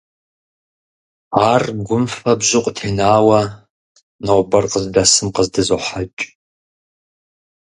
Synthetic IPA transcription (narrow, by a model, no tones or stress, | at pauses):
aːrɡʷʊmfɐbʑɪqʷʼtʰeːnaːwɐ | nɐʁʷbɐrqəzdɐsɨmqəzdɨzoħat͡ʃʼ